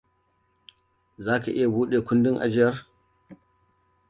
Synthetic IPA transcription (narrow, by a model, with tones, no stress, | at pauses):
zaː˦ka˨ʔɪ˦ja˨buː˦ɗeː˨kʷʊ˦ndɪ˦ŋʔa̰˨d͡ʒɪ˦jɐ˦r